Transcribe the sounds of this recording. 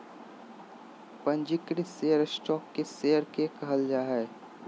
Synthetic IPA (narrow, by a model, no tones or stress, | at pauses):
pə̃nd͡ʒɪkɾisejəɾsʈɔːkːeseːəɾkekɐɦəld͡ʒaːɦɛː